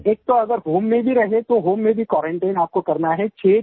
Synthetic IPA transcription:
eːk̚t̪oɐɡəɾɦoːmːẽbʱiɾɐɦet̪oɦoːmːẽbʱikɔːɾẽɳʈaːɪnaːp̚kokɐɾnaɦɛt͡ʃʰeː

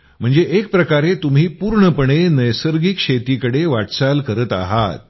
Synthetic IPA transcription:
m̤əɳd͡zeʔek̚pɾəkaɾet̪um̤iːpuːɾɳəpəɳ̃enəjsəɾɡikɕet̪iːkəɽeʋaʈsalkəɾət̪a̰ɦa̰t̪̚

